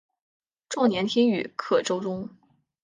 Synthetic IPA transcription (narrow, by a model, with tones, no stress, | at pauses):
ʈ͡ʂɑ˥˩ŋnjɛ˧˥nt̪ʰi˥ŋy̰˨˩kʰɤ˨˩ʈ͡ʂo˥ʊʈ͡ʂʊ˥ŋ